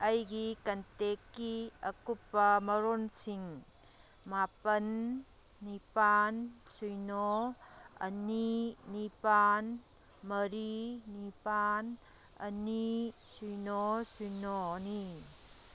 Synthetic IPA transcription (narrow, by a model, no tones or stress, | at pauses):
ɐjɡikɐntekːiɐkupːɐmɐɾonsiŋ | mapɐnː | ipansujnɔ | ɐ̰ninipan | mɐɾinipan | ɐ̰nisujnɔsujnɔni